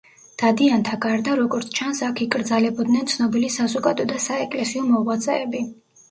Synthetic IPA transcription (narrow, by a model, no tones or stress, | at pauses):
d̪̥ad̪iant̪ʰaɡaɾd̪aɾɔɡɔɾt̪sʰt͡ʃʰansakʰikʼɾd̪zalɛbɔd̪nɛnt̪sʰnɔbilisazɔkʼad̪ɔd̪asaɛkʼlɛsiɔmɔvʁwat̪sʼɛːbi